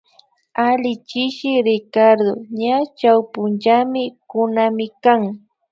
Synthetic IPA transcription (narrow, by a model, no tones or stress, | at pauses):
alɪt͡ʃɪʃɪɾɪkaɾd̪oɲat͡ʃawpʊnt͡ʃamɪkʊnamɪkaŋ